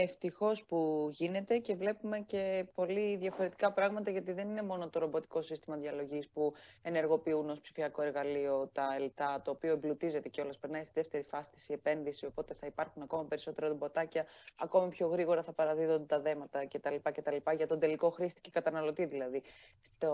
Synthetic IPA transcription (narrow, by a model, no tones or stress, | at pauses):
eft̪ixo̞spuʝine̞t̪e̞ce̞vle̞pume̞ce̞po̞liðʝɐfo̞ɾe̞t̪i̥kɐpɾɐɣmɐt̪ɐʝɐt̪iðe̞nine̞mo̞no̞t̪oɾobo̞t̪i̥ko̞sist̪imɐðiɐlo̞ʝispue̞ne̞ɾɣo̞piuno̞spsi̥fiɐko̞e̞ɾɣɐlio̞t̪ɐelt̪ɐt̪o̞ːpio̞emblut̪ize̞t̪e̞ceo̞lɐspeɾnɐist̪iðeft̪e̞ɾifɐsi̥t̪i̥sie̞pe̞nðisio̞po̞t̪e̞θɐipɐɾxunɐko̞mɐpe̞ɾiso̞t̪e̞ɾot̪obo̞t̪ɐcɐɐko̞mipço̞ɣɾiɣo̞ɾɐθɐpɐɾɐðiðo̞nd̪et̪ɐðe̞mɐt̪ɐce̞t̪ɐlipɐce̞t̪ɐlipɐʝɐt̪o̞nd̪e̞liko̞xɾist̪i̥ce̞kɐt̪ɐnɐlo̞t̪iðilɐði | st̪